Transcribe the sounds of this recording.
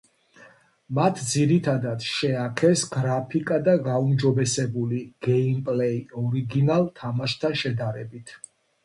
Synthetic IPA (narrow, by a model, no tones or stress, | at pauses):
mat̪ʰd̪ziɾit̪ʰad̪at̪ʃɛakʰɛsɡɾapʰikʼad̪aɡaumd͡ʒɔbɛsɛbuliɡ̥ɛimpʼlɛiɔɾiɡinalˠt̪ʰamaʃt̪ʰanʃɛd̪aɾɛbit̪ʰ